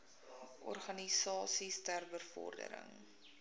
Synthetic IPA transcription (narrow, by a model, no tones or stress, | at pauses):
ʔɔrχɐnisɑːsistærbərfɔ̰rdə̰ɾə̰ŋ